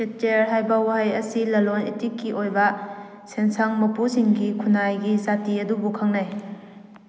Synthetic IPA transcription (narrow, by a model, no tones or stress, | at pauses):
et͡ʃeɾɦajbawaɦajɐsilɐlonetikːiʔojbɐ | sensaŋmɐpusiŋɡikʰunajɡizatiɐdubukʰaŋnaj